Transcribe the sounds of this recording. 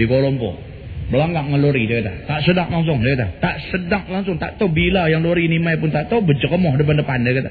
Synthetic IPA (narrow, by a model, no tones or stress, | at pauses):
ikolɔmpɔ̰ | bəlaŋɡaʔŋəloɾidəkat̪at̪aʔsədaŋlaŋs̬ʊŋdəkat̪̬at̪aʔsədaŋ̚laŋsʊŋt̪aʔt̪obilajaŋloɾinimajpʊnt̪aʔt̪obəd͡ʒəkəmɔhdəp̬andəpandəkat̪a